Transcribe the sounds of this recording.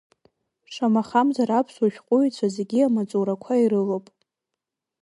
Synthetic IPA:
ʂamaχamzaɾapʰsuʃᶣqʷʼʊjt͡sʷʰazeɡʲiamat͡sʼoɾakʷʰaiɾɨlopʼ

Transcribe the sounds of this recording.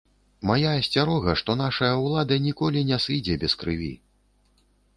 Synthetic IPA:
majasʲt͡sʲaɾɔɣɐʂt̪ɔn̪aʂɐjɐwlˠad̪ɐnʲikɔlʲinʲɛsɨd͡zʲɛbʲɛskɾɨvʲḭ

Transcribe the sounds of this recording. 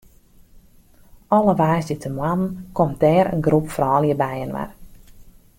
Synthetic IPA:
ɔləʋaːsdjətʰəmwanən̩kɔmdɛːɾə̰nɡrupfrɔːljəbɛjənʋa̰r

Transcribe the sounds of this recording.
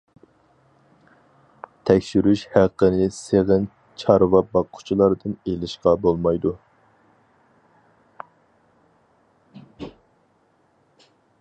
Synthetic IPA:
t̪ʰɛkʲʃyɾyʃhæqːənɪseʁɨn | t͡ʃʰɑɾvɑbɑqʰːʊ̥t͡ʃʰilˠɑɾd̪ɨnelɪʃqɑbolˠmɑjd̪u

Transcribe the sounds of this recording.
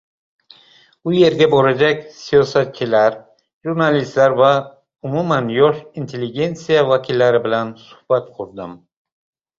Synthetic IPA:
uje̞ɾɡʲabɒɾad͡ʒakʲsijɒsat̪̚t͡ʃʰilaɾ | ʒuɾnalist̪laɾva | umumanjɒʃint̪ʰe̞lːiɡʲe̞nt̪sijavakʰʲilːaɾɪbɪlansʊ̥hbat̪qʰʊɾd̪ɪm

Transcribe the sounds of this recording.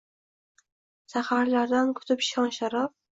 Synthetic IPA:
sahaɾlaɾd̪ankʰʊ̥t̪ʰɪpʃɒnʃaɾɒf

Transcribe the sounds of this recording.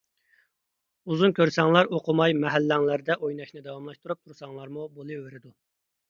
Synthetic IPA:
uzunkʲøɾsɛŋlˠɑɾoqʰʊmɑjmɛɦælːɛŋlˠæɾd̪ɛʔojnɑʃnɨd̪ɛwɑmlˠɑʃt̪uɾup̚t̪ʰuɾsɑŋlˠɑɾmubolˠɨweɾɪd̪u

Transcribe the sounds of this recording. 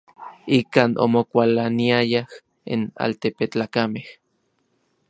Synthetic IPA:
ikaːnʔo̰mokʷalaniajah | ḭna̰lt̪epet͡ɬaːkameh

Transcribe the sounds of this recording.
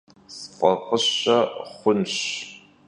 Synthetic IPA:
sfɐʁəɕɐχʷʊnɕ

